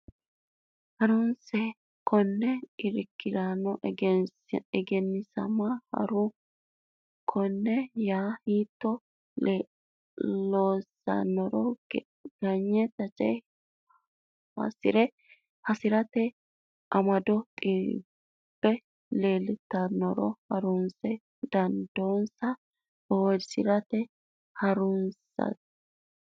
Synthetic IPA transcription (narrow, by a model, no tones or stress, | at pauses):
hɐɾɔnsɛ | kʰɔnːɛɪɾɪkːɪd̪anɔ | ɛɡɛnːɪsɐ̰mɐhɐ̰ɾʊ | kʰɔnːɛjaːhiːt̪ːɔ | loːsɐ̰nːɔɾɔ | ɡ̥ɐɲːɛt̪ɐt͡ʃʼɛj | hɐ̰sɪɾɛ | hɐsɪɾɐt̪ɛ | ʔɐmɐd̪ɔt̪ʼi | b̥ːɛ | le̞ːlɪt̪ːɐnːɔɾɔhɐɾʊnsɛ | d̪̥ɐnd̪o̞ːnsɐ | oːsɪɾɐt̪ɛ | hɐɾʊnsɐ̰t̪